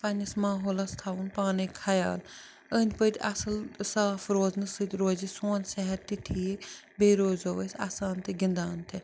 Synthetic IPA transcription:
pɐnʲɐsmaːɦoːlast̪ʰaːunpaːnikʰɐja̰ːl | əːnʲpət̪ʲɐ̰sɨlsaːfɾoːznɨsɨt̪ʲɾoːzisoːnsɛɦɛɾt̪iʈʰie | beːɾoːzoʋəsʲa̰ːsaːnt̪eɡɪnd̪aːnt̪ʰe

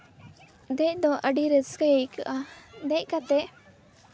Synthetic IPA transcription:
d̪ɛc̚d̪ɔʔəɖiɾəskəjəjkəʔad̪ɛc̚kat̪ɛʔ

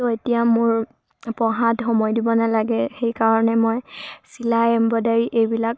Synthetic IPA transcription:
tɔetijamʊɹ | pɔɦadxɔmɔjdibɔnalaɡɛxejkaɹɔnɛmɔjsilaɛmbɔdaɹiʔejbilak̚

